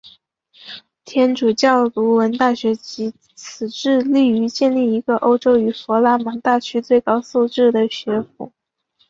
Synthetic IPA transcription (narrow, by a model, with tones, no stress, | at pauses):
t̪ʰjɛ˥nʈ͡ʂu˨˩t͡ɕjɑ˥˩ʊlu˧˥wə˧˥nt̪a˥˩ɕɥɛ˧˥t͡ɕi˧˥ | t͡sʰɹ̩˨˩ʈ͡ʂɻ̩˥˧li˥˩y˧˥t͡ɕjɛ˥˧nli˥˩i˧˥ɡə˧ʔo˥ʊʈ͡ʂo˥ʊy˨˩fɔ˧˥la˧˥ma˧˥ŋt̪a˥˩t͡ɕʰy˥t͡swe˥˩ɪkɑ˥ʊsu˥˧ʈ͡ʂɻ̩˥˩d̪ə˩ɕɥɛ˧˥fṵ˨˩˦